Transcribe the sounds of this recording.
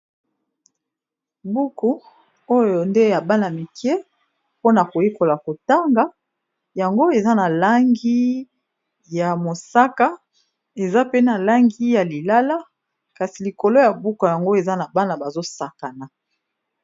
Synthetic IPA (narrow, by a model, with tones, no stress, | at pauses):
bu˦ku˨ | o˦jo˨nde˦a˨ba˦na˨mi˨kɛ˦ | po˦na˨ko˨je˦ko˨la˨ko˨ta˦ŋɡa˨˦ | ja˨ŋɡo˦e˨za˦na˨la˦ŋɡi˦ | ja˨mo˨sa˦ka˦ | e˨za˦pe˦na˨la˦ŋɡi˦ja˨li˨la˦la˦ | ka˨si˨li˨ko˨lo˦ja˨bu˦ku˨ja˨ŋɡo˦e˨za˦na˨ba˦na˨ba˨zo˦sa˨ka˨na˨